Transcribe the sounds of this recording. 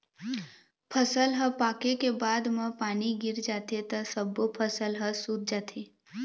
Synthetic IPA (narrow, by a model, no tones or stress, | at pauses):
pʰəsəlɦəpaːkekebaːd̪mə̃paːniɡɪɾd͡ʒaːt̪et̪əsəbopʰəsəlɦəsuːd̪̚d͡ʒaːt̪ʰe